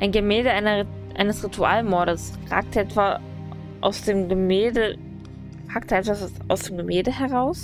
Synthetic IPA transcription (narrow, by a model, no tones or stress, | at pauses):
ʔaɪnɡəmɛːldəʔaɪnɐ | ʔa̰ɪnəsʁ̥itʰuaːlmɔɐɾəsʁa̰ːk̚tʔɛtv̥a | ʔa̰ʊsd̥eːmɡəmɛːldə | ʁaːktʔɛtv̥assʔa̰ʊsd̥eːmɡəmɛːldəhɛʁaʊs